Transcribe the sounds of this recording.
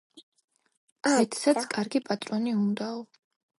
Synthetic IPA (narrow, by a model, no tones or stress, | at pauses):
mɛt̪ʰsat̪sʰkʼaɾɡipʼat̪ʼɾɔniund̪aɔ